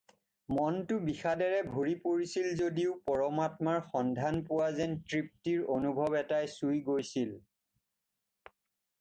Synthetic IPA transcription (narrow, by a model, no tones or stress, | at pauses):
mɔntʊbixadɛɹɛbʱoɹipoɹisilzodiʊpɔɹɔmatmaɹxɔndʱanpʊwazɛntɹip̚tiɹonubʱɔbɛtajsujɡojsil